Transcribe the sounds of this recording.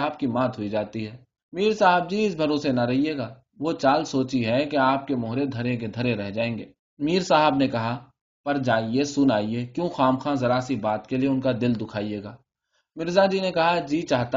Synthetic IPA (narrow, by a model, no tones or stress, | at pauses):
b̚kimãːt̪ɦʊid͡ʒaːt̪iɦɛː | miːɾsaːɦəb̚d͡ʒiːɪsbʱɐɾoːsenɐɾɐɦieːɡaː | ʋot͡ʃaːlsoːt͡ʃiɦɛkeaːp̚kemʊːɦɾed̪ʱɐɾẽk̬ed̪ʱɐɾẽɾɛɦd͡ʒaːẽːŋɡeː | miːɾsaːɦəbnekɐɦa | pɐɾd͡ʒaːiesʊnaːieːkjõːxaːmxãːzɐɾaːsibaːt̪kelieʊnkad̪ɪld̪ʊkʰaːieːɡaː | mɪɾzad͡ʒiːnekɐɦad͡ʒiːt͡ʃaːɦt̪a